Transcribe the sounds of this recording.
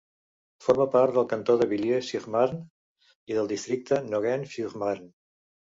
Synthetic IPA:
foɾməpaɾt̪d̪əlˠkənt̪oðəβilesiʁmaɾn | iðəlˠd̪ist̪ɾik̚t̪ənoɣɛnfuʁmaɾn

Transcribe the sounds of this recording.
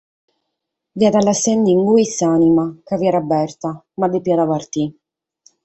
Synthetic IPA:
viad̪alːasɛnd̪iŋɡuisanimakaviɛɾabɛrt̪a | mad̪epiad̪apart̪i

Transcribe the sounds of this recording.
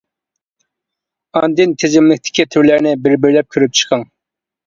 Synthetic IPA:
ɑnd̪ɪnt̪ʰezɪmlɪk̚ʲt̪ʰɪ̥kʲit̪ʰyɾlæɾnɪbɪɾbɪɾlɛp̚kʲʰøɾyp̚t͡ʃʰə̥qʰɑŋ

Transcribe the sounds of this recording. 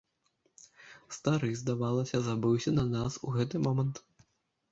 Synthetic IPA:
st̪aɾɨzd̪avalˠɐsʲɐzabɨwsʲɐnɐnasuɣɛt̪ɨmɔmɐnt̪

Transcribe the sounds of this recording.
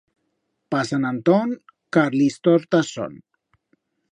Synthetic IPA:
pasanant̪oŋ | kaɾlist̪oɾt̪aso̰n

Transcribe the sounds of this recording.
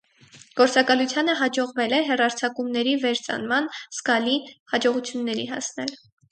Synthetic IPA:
ɡ̥ɔɾt͡sɑkɑlut͡sʰjɑnəɦɑd͡ʒɔʁvɛlɛɦɛrɑɾt͡sʰɑkumnɛɾivɛɾt͡sɑ̰nmɑnsɡɑlihɑd͡ʒɔʁut͡sʰjunːɛɾiɦɑ̰snɛl

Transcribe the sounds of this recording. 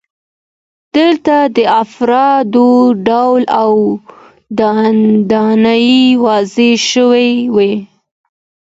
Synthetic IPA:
d̪̥əlt̪ad̪əafɾɑd̪oɖawlaw | d̪ɑd̪ɑnajiwɑzeʃəwejwe

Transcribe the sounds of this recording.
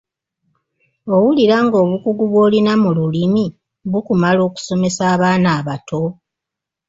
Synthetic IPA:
o̞wuliɾaːŋɡo̞ːβukuɡuβwo̞ːlinamululimi | βukumalo̞ːku̥so̞me̞saːβaːnaːβatʰo̞

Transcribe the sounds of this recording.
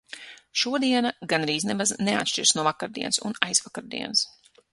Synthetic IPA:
ʃuɔd̪iɛnaɡanɾiːznemaznea̰t̪ʃt͡ʃiɾsnuɔvakaɾd̪ḭɛnsṵnajzvakaɾd̪ḭɛns

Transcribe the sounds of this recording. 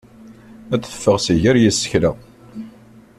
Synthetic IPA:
æθə̥fːəʁsiʝəɾjisːə̥çlə

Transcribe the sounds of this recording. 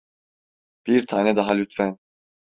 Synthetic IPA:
b̥iɾt̪ʰanʲɛd̪aɦalʲyt̪fɛn

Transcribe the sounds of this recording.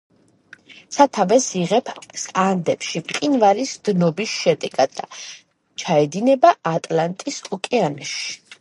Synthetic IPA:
t̪sʰat̪ʰavɛsiʁɛpʰsand̪ɛpʃiqʼinvaɾisd̪̥nɔbisʃɛd̪ɛɡad̪a̰ | t͡ʃʰaɛd̪inɛbaːt̪ʼlant̪ʼisɔkʼɛanɛʃi̥

